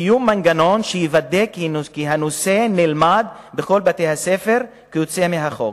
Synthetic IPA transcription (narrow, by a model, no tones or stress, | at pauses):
jumanɡano̞nʃejivad̪ekikiɦanosenelmad̪ | bexo̞lbat̪ejhasefeʁ | kejot͡semeɦaχo̰ɡ